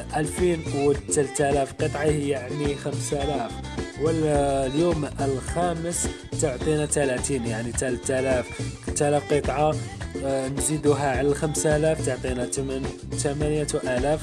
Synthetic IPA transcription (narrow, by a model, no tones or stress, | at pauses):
ʔælfinwət̪ːælt̪ælæfqət̪ˤʕɑhəjːaʕnixəmsælæf | wəlljuməlxæməs | t̪oʕt̪ˤinat̪ælæt̪iːnjaʕnit̪ælət̪ælæft̪ːælæfqət̪ˤʕɑ | nzid̪uɦæʕlælxamsʔælæft̪oʕt̪ˤinæt̪əmən | t̪æmænjaʔælæf